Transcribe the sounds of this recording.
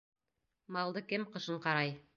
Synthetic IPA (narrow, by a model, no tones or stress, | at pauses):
mɑlˠd̪ɤkɘmqɤ̆ʃɤɴqɑɾɑj